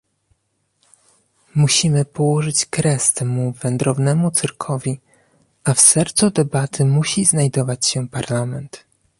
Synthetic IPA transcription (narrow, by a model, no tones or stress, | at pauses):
muɕimɘpɔwɔʐɘt͡ɕkɾɛst̪ɛmuvɛnd̪ɾɔvnɛmut̪sɘɾkʰɔvʲi | ʔafsɛɾt̪sud̪ɛbat̪ʰɘmuɕiznajd̪ɔvat͡ɕɕɛpaɾlamɛnt̪